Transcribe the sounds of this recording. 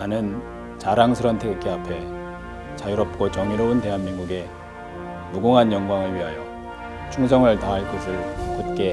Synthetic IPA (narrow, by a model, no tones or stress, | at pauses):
anɯn | t͡ɕaɾaŋsʰɯɾʌntʰeɡɯk͈eapʰe̞ | t͡ɕajuɾʌp̚k͈ot͡ɕʌŋiɾʌunte̞ɦanminɡuɡe̞ | muɡuŋɦanjʌŋɡwaŋɯɭɥiɦajo | t͡ɕʰuŋs̬ʰʌŋɯɭtaɦaɭk͈ʌsʰɯɭkɯt̚k͈e̞